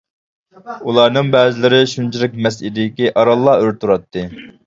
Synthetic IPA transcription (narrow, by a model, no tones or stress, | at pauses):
ulˠɑɾnɨŋbɛːzɪlɪɾɪʃunt͡ʃʰilɪk̚ʲmɛs̬id̪ɪɪkʲiʔɑɾɑlˠːɑøɾt̪uɾɑt̪ʰːɨ